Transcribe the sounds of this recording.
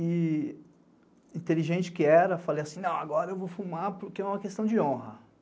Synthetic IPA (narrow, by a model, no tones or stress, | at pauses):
ɪ | ĩt̪eliʒẽnt͡ʃɪ̥kɪɛɾɐfalejasĩnɐ̃w̃aɡɔɾɐewvowfumaɾpʊɾkeɛũmɐkest̪ɐ̃w̃d͡ʒɪõɦɐ